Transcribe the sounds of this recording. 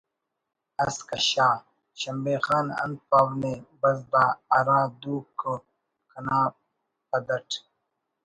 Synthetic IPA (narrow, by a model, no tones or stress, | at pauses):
ɐskɐɕaː | ɕɐmbeːxaːnɐ̰nd̪̚paːwneːbɐzd̪aːɐɾãːd̪uːko | kʰɐnaː | pɐd̪ɐʈʰ